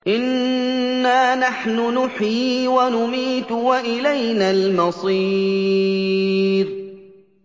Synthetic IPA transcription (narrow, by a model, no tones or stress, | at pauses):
ʔɪnː | aːnaħnʊnʊħiːwanʊmiːt̪waʔɪlajnaːlmɑsˤi | ɾ